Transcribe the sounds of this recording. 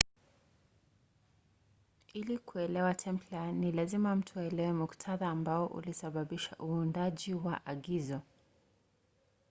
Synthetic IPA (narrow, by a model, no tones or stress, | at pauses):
ilikuɛlɛwatʰɛmplanilazimam̩tʰɔɛlɛwɛmuktʰaðaːmbaɔʔṵlisaɓaɓiʃa̰ʔuːndaʄiwaʔaɠizɔ